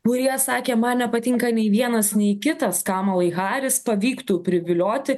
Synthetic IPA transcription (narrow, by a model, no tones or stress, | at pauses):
kʊɾʲiɛsɑːkʲeːmɐnnʲɛpɐt̪ʲɪŋkɐnʲɛɪʋʲiɛnɐsnʲɛɪkʲɪt̪ɐskɑːmɐlˠɐɪɣɑːɾʲɪspɐʋʲiːkt̪uːpʲɾʲɪʋʲɪlʲoːt̪ʲɪ